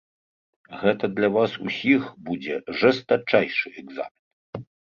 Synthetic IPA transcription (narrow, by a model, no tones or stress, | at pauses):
ɣɛt̪ɐd̪lʲavasusʲixbud͡zʲɛʐɛst̪at͡ʂːajʂɨɛɡza̰mʲin